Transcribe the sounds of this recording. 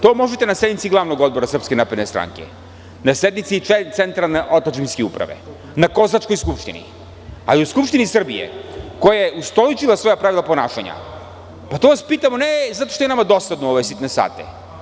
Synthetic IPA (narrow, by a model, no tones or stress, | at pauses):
t̪omɔʒɛt̪ɛnasɛd̪mit̪siɡlˠavnoɡɔd̪boɾasr̩pskenapɾɛd̪nɛst̪ɾa̰ŋkɛ̰ | nasɛd̪mit̪sit͡ʃɛt̪sɛnt̪ɾalˠnɛʔot̪at͡ʃimskiupɾa̰vɛ̰ | nakozat͡ʃkɔjskupʃt̪inḭ | a̰liuskupʃt̪inisr̩bḭɛ̰kɔjaɛust̪ɔlit͡ʃilˠasvɔjapɾavilˠaponaʃa̰ɲa̰ | pat̪ovaspit̪amonɛzat̪o̥ʃt̪oɛnamad̪osad̪nɔovojsit̪nɛsa̰t̪ɛ̰